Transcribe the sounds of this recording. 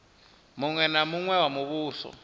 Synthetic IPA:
muŋwɛnamuŋwɛwamuβuːɬɔ̰

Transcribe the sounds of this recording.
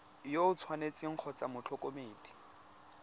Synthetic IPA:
joʊt͡sʰwanet͡sɪŋ̩k͡xʰɔt͡samʊt͡ɬʰɔkʼomeːdi̥

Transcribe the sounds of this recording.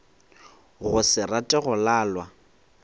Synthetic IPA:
ɣʊsɪratʼɛɣʊlaːlwa

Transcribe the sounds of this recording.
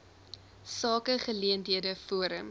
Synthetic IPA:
sɑːkəχəliəntiədəfuəɾəm

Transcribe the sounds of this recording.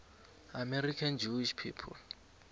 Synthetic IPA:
amɛɾikʰand͡ʒuiʃpʰiːpʰɔ̰l

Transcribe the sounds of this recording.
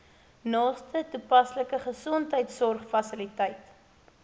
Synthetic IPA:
nɑːstʰətupɐsləkəχəsɔntɦəjtsɔrχfɐsəlitəjt

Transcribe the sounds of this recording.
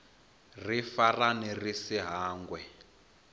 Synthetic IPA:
rifaranirisiɦaːŋɡwɛ

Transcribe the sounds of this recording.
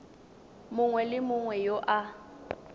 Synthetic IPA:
mʊŋwɛlɪmʊŋwɛjoʔa

